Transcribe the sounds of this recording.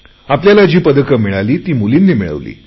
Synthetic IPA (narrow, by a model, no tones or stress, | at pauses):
apljalad͡ʑiːpəd̪əkəmiɭaliːt̪iːmulinːiːmiɭə̰ʋlḭː